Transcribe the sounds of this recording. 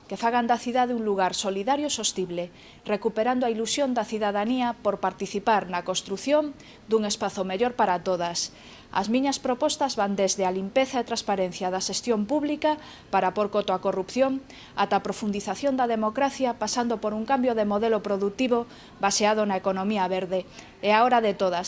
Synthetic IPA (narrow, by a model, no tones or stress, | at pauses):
kefaɣ̞and̪aθiðaðeuŋluɣaɾsoliðaɾjosost̪iβle | rekupeɾand̪oailusjond̪ɐθiðaðaniapoɾpaɾt̪iθipaɾnɐkost̪ɾuθjoŋ | d̪uŋespaθomeʎoɾpaɾat̪oð̞as | ɐ̰zmĩɲɐspɾopɔst̪azβand̪ezðealimpeθaet̪ɾaspaɾen̟θjaðɐʃest̪jompuβlika | paɾapoɾkot̪oakorupθjoŋ | at̪apɾofund̪iθaθjond̪ɐðemokɾaθjapasand̪opoɾuŋkambjoðemoðelopɾoðut̪iβo | baseað̞onaekonõmiɐβeɾðe | eaoɾaðet̪oðas